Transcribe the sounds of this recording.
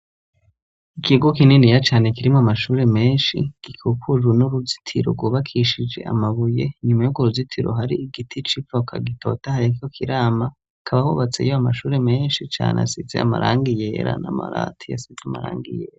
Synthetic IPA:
ikiɡokininijat͡ʃaːne̞kiɾimoamaʃuːɾe̞me̞ːnʃḭɡ̥ikʰukʰuʒunuɾuzi̥tʰiɾoɡwoβakʰiʃid͡ʒe̞̰ʔa̰maβuje̞ɲumajuɡoɾuzitʰiɾo̞̰ɦaɾiiɡitʰit͡ʃifokʰa̰ɡitʰo̞̰tahaɾiokʰiɾaːma | akʰaβahoβat͡sḛjoamaʃuːɾeme̞ːnʃit͡ʃa̰ːnʔa̰sizḛa̰ma̰ɾʔaːŋɡijeːɾa̰nama̰ɾa̰tʰiasizeama̰ɾa̰ːŋɡijeɾa

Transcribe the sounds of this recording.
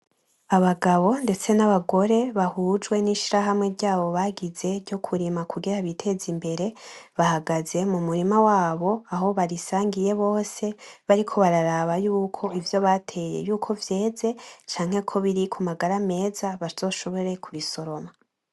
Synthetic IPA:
aβaɡaβo̞nde̞t͡se̞naβaɡo̞ɾe̞βahud͡ʒwe̞niʃiɾaɦamŋe̞ɾɟaːβo̞βaɡize̞ɾɟo̞kʰuɾimakuɡiɾaβitʰe̞zimbe̞ɾe̞βahaɡaze̞mumuɾimawaːβo̞aɦo̞βaɾisaːŋɡije̞βo̞ːse̞βaɾikʰo̞βaɾaɾaβajuːkʰo̞ivjo̞βatʰe̞ːje̞̰juːkʰo̞vje̞ːze̞t͡ʃaːŋ̥he̞kʰo̞βiɾikʰumaɡaɾame̞ːzaβaz̥o̞ːʃo̞βo̞ɾe̞kʰuɾiso̞ɾo̞ma

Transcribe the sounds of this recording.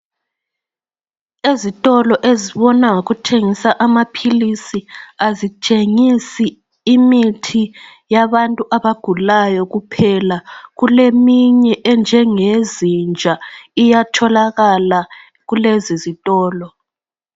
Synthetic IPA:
ezitʼɔlɔʔeziβɔnaŋoɣutʰeŋisaʔamapʰilisiazit͡ʃʼeŋisiː | mitʰijaβantʼuʔaβaɡ̥ʱulajɔɣupʰɛlaɣulemiɲɛʔɛnd͡ʒʱɛŋezind͡ʒʱaijatʰɔlaɣala | ɣulezizitʼɔːlɔ

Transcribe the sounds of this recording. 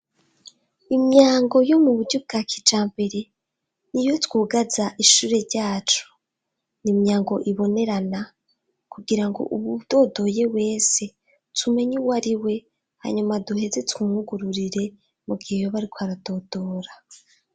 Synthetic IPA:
imɲaːŋɡo̞jo̞muβuɾɟub̚ɡaːkʰid͡ʒaːmbe̞ɾe̞ | nijo̞twuːɡazaʔiʃuːɾe̞ɾɟaːt͡ʃu̥ | nimɲaːŋɡo̞ʔiβo̞ne̞ɾana | kuɡiɾaŋɡo̞̰ʔuβud̥o̞do̞je̞we̞ːse̞ | tʰume̞ɲiwaɾiwe̞ | ha̰ɲumaduhe̞ze̞tumuhuɡuɾuɾiɾe̞ | muɡihejoβaɾikoaɾado̞d̥o̞ːɾa

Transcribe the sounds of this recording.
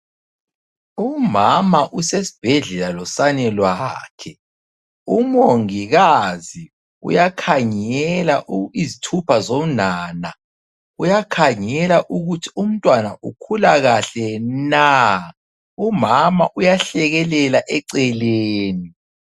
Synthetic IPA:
umamaʔusesi̥b̥ʱɛɮɛlalɔsanɛlwaːkʰɛ | umoŋiɣazi | ṵjakʰaŋɛlaʔuizitʰupʰazomnaːna | ujakʰaŋɛlaʔuɣutʰium̩tʼwanaʔukʰulaɣaɬɛna | umamaʔujaɬɛɣɛlɛlaʔɛǀɛleːni

